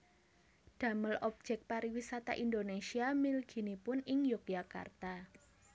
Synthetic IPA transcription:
ɖ̥a̤məlɔb̥̚d͡ʒ̥ɛk̚paɾiwisat̪a̰ʔind̪onesiamilɡ̥i̤nipʊnɪŋjɔk̚jaka̰rt̪a

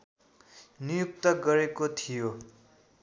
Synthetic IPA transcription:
nijuk̚t̪ʌɡʌɾekot̪ʰijo

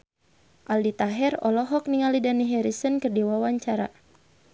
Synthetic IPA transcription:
ʔaldit̪aɦɛrɔ̰lɔɦɔk̚niŋalidaniɦɛɾisənkɨrdiwawaɲt͡ʃaɾa̰

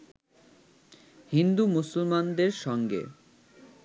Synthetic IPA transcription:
hind̪umusulmand̪eɾʃɔŋɡḛ

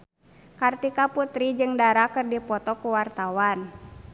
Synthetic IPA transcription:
kart̪ikaput̪ɾid͡ʒɨŋdaɾakɨrdipɔt̪ɔkuwart̪awan

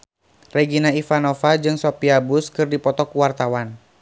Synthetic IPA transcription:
rɛɡinaifanɔfad͡ʒɨŋsɔpiabuskɨrdipɔt̪ɔkuwart̪awan

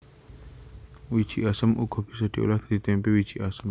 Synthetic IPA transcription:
wi̥d͡ʒ̥iʔasəmuɡɔ̤b̥isad̥̪iʔo̰lahd̪̥adit̪ɛmpewi̥d͡ʒ̥iʔasəm

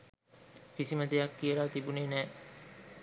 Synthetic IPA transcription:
fisiməd̪ejakːiəlaːt̪ibuneːnɛː

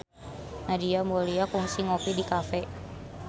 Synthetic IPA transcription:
nadiamɔliakuŋsiŋɔpidikafɛ

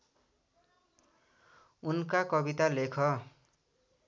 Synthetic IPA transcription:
unkakʌbit̪alekʰʌ

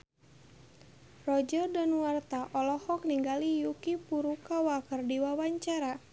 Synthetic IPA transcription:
rɔd͡ʒɔrdanuwart̪aʔɔlɔhɔkniŋɡalijukipuɾukawakərdiwawaɲt͡ʃaɾa

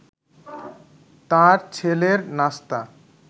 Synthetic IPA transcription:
t̪ãɾt͡ɕʰeleɾnast̪a

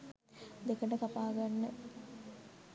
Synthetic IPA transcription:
d̪ekəʈəkapaːɡanːə

